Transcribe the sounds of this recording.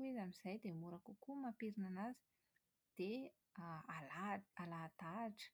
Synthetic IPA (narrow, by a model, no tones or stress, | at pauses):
ezamiz̥ajd̪emuɾakukumapiɾinanazi̥ | d̪̥e | alaalat̪aʈ͡ʂə̥